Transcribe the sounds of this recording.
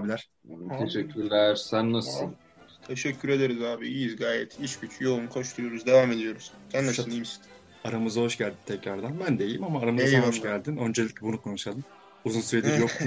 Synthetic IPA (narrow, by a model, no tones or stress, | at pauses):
bilʲæɾ̥ | t̪ʰeʃɛcʰːyɾlʲæɾsænːasɯ | t̪ʰe̞ʃɛcʰːyɾe̞d̪eɾizaːbiizɡaːjɛt̪ʰit͡ʃɟyt͡ʃʰjo̞lˠunkʰo̞ʃt̪ʰuɾjuɾuzd̪e̞vaːme̞d̪ijo̞ɾuz̥sænːaʃnims | aɾamɯzaɦo̞ʃɟælʲd̪int̪ʰɛcɾaɾd̪anbænd̪e̞jimamaːɾamɯzaoʃɟælʲd̪inø̞nd͡ʒeiclʲɛbunukʰo̞nuʃalˠɯm | uzunsyɾed̪iɾjok